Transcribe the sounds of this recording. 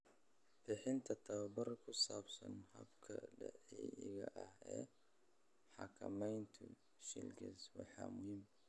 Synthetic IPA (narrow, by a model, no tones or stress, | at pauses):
fɪħɪnt̪ʰɐt̪ʰɐwɐbɐɾkʰʊsaːbsɐnhɐbkʰɐɖɛʕiɪɣɐʔɐhɛː | ħɑkʰɐmɛjnt̪ʰʊ | ʃɪlɡɛswɑħɑmʊhim